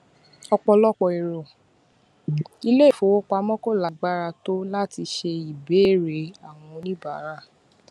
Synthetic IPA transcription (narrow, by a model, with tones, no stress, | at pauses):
ɔ˧k͡pɔ˧lɔ˦k͡pɔ˨i˨ɾo˨ | i˧le˦˨fo˨˦wo˦k͡pa˧mɔ̃˦ko˦˨la˨˦ɡ͡ba˦ɾa˧to˦la˦ti˧ʃe˧i˨be˨˦e˦˨ɾe˨˦a˦˨w̃ɔ̃˧nĩ˦ba˦˨˦ɾa˦˨